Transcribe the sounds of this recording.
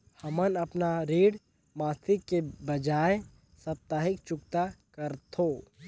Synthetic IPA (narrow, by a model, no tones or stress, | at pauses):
hɐmənɐpnaɾiːɽ | maːt̪ʰɪkːebəd͡ʒaːe | sɐp̚t̪aːɦɪkt͡ʃʊkt̪akəɾt̪ʰo